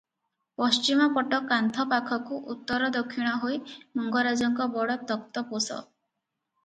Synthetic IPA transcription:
pɔst͡ʃimɔpɔʈɔkant̪ʰɔpakʰɔkuʔut̪ːɔɾɔd̪ɔkʰːiɽ̃ɔɦojmɔŋɡɔɾad͡ʒɔŋkɔbɔɽɔt̪ɔk̚t̪ɔposɔ̰

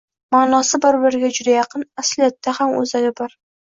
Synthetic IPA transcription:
maːnɒsɪbɪɾbɪɾɪɡʲad͡ʒʊd̪ajɑqʰɨnaslijat̪ːahamɵ̰zalʲɪbɒɾ

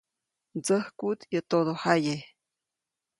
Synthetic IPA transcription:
d͡zəhkut̪jət̪od̪ohaje

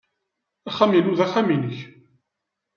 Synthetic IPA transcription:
æχæminuðæχæminəç

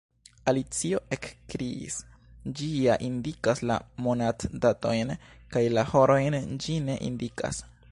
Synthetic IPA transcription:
alit͡sio̞ʔekkɾiḭs | d͡ʒiaʔindikasla̰monatdato̞jnkajlaho̞ɾo̞jnd͡ʒine̞̰ʔḭndika̰s

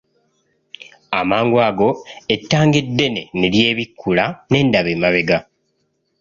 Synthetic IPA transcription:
amaːŋɡwaːɡo̞etːaːŋɡedːe̞ne̞nelje̞ːβikːulane̞ːndaβeːmaβe̞ɡa

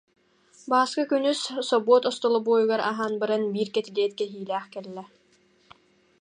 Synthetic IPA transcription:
baːskakynysːɔbuɔt̪ɔst̪ɔlˠɔbuːjuɡaɾa̰ɦaːnbɯɾanbiːɾkɛt̪ilɛɛt̪̚kɛɦiːlæːχkɛlːɛ

